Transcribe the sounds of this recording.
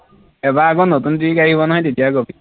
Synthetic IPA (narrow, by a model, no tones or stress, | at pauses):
ɛbaːɡɔnotuntiikaɦibɔnaɦɔjtetijaɡobi